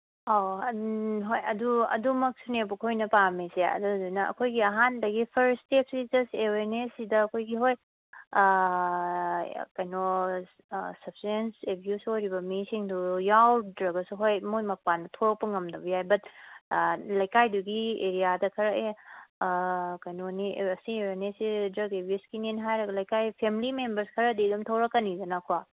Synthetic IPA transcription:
a | ɦojɐduɐ̰dumɐk̚sunepukʰojnɐpamiseɐ̰dudujnɐɐ̰kʰojɡiɐɦandɐɡipʰɐɾstep̚sid͡ʒɐsteweɾnesidɐɐkʰojɡiɦoj | kajno | sɐp̚sensebʱjusojɾibɐmisiŋdujawdɾɐɡɐsuɦojmojmɐpanɐtʰoɾɐk̚pɐŋɐmdɐbɐjajbɐt̚ | lɐjkajduɡieɾijadɐkʰɐɾɐke | kɐjnoniɐsieweɾnesidɾɐɡebʱjusɡinenɦajɾɐɡɐlɐjkajpʰemilimembɐɾskʰɐɾɐdidumtʰɐwɾɐkːɐnid͡ʒɐnakʰwa

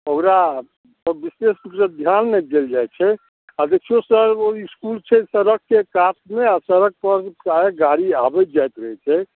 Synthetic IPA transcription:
okɾa | əbisesbikɾəd̪ʱjanmed̪eld͡ʒajt͡ʃʰɛ | ad͡ʒet͡ʃʰijosəɾoiskult͡ʃʰɛsəɾəkːekat̚ʰmeasəɾək̚pəɾkaeɡaɾiabɛd͡ʒajt̪ɾəɦɛt͡ʃʰɛ

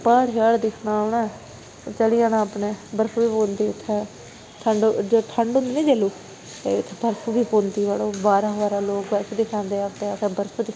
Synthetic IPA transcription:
paːɽjaːɽd̪ɪkʰnaːoɳaː | t͡ʃəliaːnaːpneːbəɾsuːbiːpõːnd̪iːʊt̪ʰːɛ̃ː | t̪ʰəɳɖd͡ʒoːt̪ʰəɳɖʊ̃nd̪iːnĩːd͡ʒeːluː | t̪ḛt̪ʰːbəɾsuːbiːpoːnt̪iːʋaːloːbaːɾãːʋaːɾaːloːkbəɾsd̪ɪkʰãːnd̪eːaʋt̪eːat̪ɛ̃ːbəɾsod̪ɪk

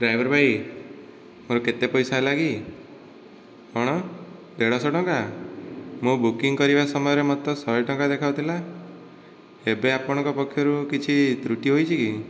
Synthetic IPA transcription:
ɖɾajbʱɔɾbʱaj | moɾɔket̪epɔjsaelaɡi | ɔɽ̃ɔ | d̪eɽ̃ɔsɔʈɔŋka | mũbukiŋkɔɾibasɔmɔjɔɾemɔt̪ɔsɔɔjʈɔŋkad̪ekʰawt̪ʰila | ebeapɔɽ̃ɔ̃ŋkɔpɔkʰːjɔɾukit͡ʃʰit̪ɾuʈiɦojt͡ʃʰiki

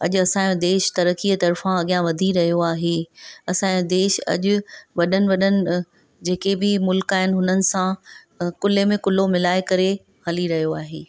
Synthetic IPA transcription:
ɐ̰ʄʊɐsãːjõd̪eːʃt̪ɐɾəkiːət̪ɐɾfãɐɠijãʋɐd̪ʱiɾɐɦijoaːɦeɐsãːjõd̪eːʃɐ̰ʄʊʋɐɗənɪ̆ʋɐɗənɪ̆ | d͡ʑeːkebɪmʊlkaːɦɪnɪɦʊnənɪ̆sã | kʊlemẽkʊlomɪlaːekɐɾe | hɐliɾɐɦijoaːɦeː

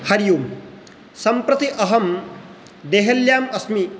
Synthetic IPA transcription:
hɐɾjum | sɐmpɾɐt̪iʔɐɦɐm | d̪eɦeljaːmɐsmi

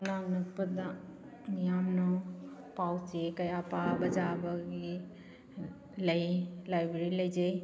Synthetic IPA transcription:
naŋnɯt̚pəa | nijamnɔ | pawt͡ʃekajapabɐd͡ʒabaɡi | ləjlajbeɾiləjd͡ʒej

